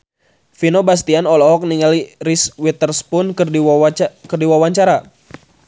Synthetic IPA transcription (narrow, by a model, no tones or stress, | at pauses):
finobas̬t̪ianɔlɔɦɔk̚niŋaliriswit̪ərspʊnk | kərdiwawaɲt͡ʃaɾa